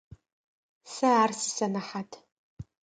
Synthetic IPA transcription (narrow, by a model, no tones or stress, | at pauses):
saarsɨsɐnaħatʰ